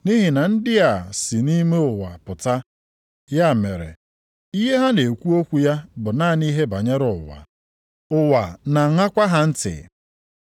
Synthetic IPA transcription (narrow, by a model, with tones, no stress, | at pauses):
ni˦ɦi˨na˨n̩˦dɪ˦a˨si˨ni˦me˦ʊ˨wa˨pʊ˨ta˦ | ja˦˨me˨ɾḛ˨ | i˦ɦe˦ɦa˦ne˨kʷu˦o˦kʷu˨ja˦bʊ˨na˦˨ni˦ɦe˦ba˨ɲe˦ɾʊ˨ʊ˨wa̰˨ | ʊ˨wa˨na˨ŋa˦kʷa˦ɦa˦n̩˦tɪ̰˨